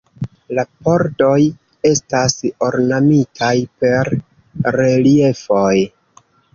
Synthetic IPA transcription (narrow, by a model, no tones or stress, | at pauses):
lapo̞ɾdo̞j | e̞stasoɾnamitʰajpe̞ɾ | ɾe̞lie̞foj